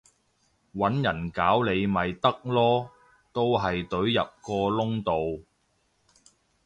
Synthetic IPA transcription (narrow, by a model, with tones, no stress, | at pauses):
wɐ˨˥njɐ˨˩nkaː˨˥wle˨˧jmɐ˨jt̪ɐ˥k̚lɔː˥ | t̪o˥wɦɐ˨jt̪ɵ˨˥ɥjɐ̰˨p̚kɔː˧lʊ˥ŋt̪o˨w